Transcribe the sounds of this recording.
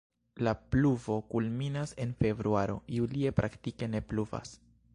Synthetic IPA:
lapluvo̞kulminase̞nfe̞bɾuaɾo̞̰julie̞pɾʔa̰ktike̞ne̞pluva̰s

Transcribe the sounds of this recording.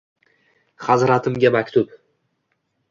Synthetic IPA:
χɑzɾat̪ʰɪmɡʲamakʲt̪ʊp

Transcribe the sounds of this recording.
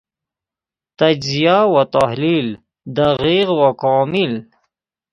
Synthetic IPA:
t̪ad͡ʒzijawat̪ahlil | d̪aʁiɣwakɑːmɪl

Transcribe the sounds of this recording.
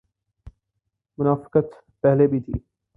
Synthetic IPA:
mʊnaːfɪ̥kət̪ | pɛɦlebʱit̪ʰḭː

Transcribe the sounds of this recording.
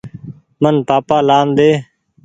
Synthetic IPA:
mənpaːpaːlaːnd̪eː

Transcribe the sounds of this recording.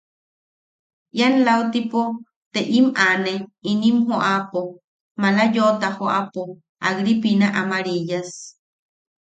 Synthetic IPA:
ʔjanlaut̪ipo | t̪eʔimaneinimɦoʔapo | malajot̪ahoʔapo | aɣɾipinaʔamaɾijas

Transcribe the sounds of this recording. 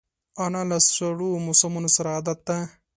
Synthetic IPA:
ɐnɐlɐsʂɐɽuːmusɐmunusɾaːd̪ɐt̪ːɐ

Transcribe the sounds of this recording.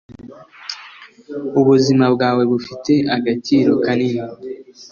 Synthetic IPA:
uβuzimabɡaːwe̞βufite̞aɡat͡ʃiːɾo̞kanina

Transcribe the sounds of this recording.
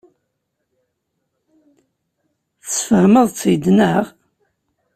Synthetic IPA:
θə̥sfəhməðˤt͡sːid̪nəʁ

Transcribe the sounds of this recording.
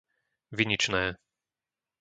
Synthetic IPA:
ʋiɲit͡ʃnɛː

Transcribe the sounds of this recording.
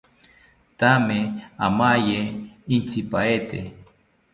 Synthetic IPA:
t̪ameamajeint͡sipaet̪e

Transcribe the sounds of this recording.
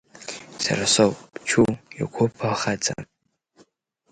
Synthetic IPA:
sa̰ɾasowpʼt͡ʃʰuja̰kʷʰopʰaχat͡sʼa̰

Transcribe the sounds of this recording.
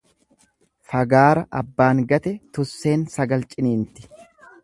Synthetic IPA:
fɐɡaːɾɐʔɐbːaːŋɡɐt̪ɛt̪ʊsːe̞ːnsɐɡɐlt͡ʃʼɪniːnt̪ɪ̥

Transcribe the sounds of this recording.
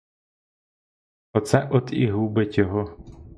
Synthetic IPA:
ɔt̪sɛʔɔd̪ḭɦubetʲjɔɦɔ

